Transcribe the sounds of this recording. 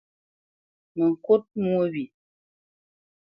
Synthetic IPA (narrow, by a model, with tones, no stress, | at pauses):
mə˨ŋ̩˨ko˦t̚mu˦o˦bi˨